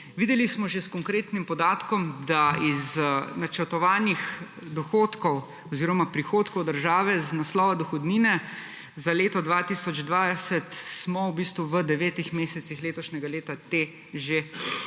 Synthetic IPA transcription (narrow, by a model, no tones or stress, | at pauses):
ʋiːd̪ɛlismɔʒeskɔŋkɾeːt̪nimpɔd̪aːt̪kɔmd̪aiznat͡ʃəɾt̪ɔʋaːnix | d̪ɔxoːt̪kɔw | ɔziːɾɔmapɾixoːt̪kɔwd̪əɾʒaːʋɛznaslɔːʋad̪ɔxɔd̪niːnɛ | zaleːt̪ɔd̪ʋat̪isɔd͡ʒd̪ʋajsɛt̪smɔwbiːst̪ʋuʋəd̪ɛʋɛːt̪ixmeːsɛt̪sixleːt̪ɔʃnʲɛɡaleːt̪at̪eː | ʒe